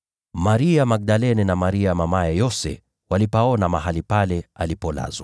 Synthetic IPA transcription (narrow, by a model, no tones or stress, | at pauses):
maɾiamak̚ɗalɛnɛnamaɾiamamajɛjɔsɛ̰ | walipaɔnamaɦalipalɛalipɔla̰zwa